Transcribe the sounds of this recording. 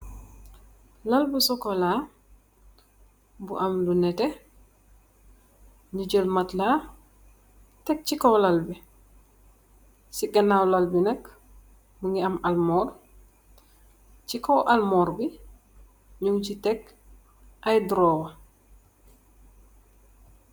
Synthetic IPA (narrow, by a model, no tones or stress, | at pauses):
lɐlbusɔkɔlaː | bṵʔɐmlunɛte | ɲuɟəlmatlaː | tɛk̚cikowlalbi | siɡɐnaːwlalbinɐk | muŋiɐmalmɔːr | cikowʔɐlmɔːɾbi | ɲuŋcitɛk | ʔajdɾoːwɐ